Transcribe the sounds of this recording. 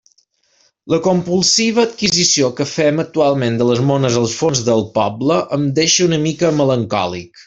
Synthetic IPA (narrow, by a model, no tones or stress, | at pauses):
ləkompulˠsiβ̞əːt̪kizisiokəfɛmək̚t̪ualˠmend̪ələzmonəzəlˠsfonzðəlˠpɔbləʔəmd̪eʃəunəmikəmələŋkɔ̰lḭk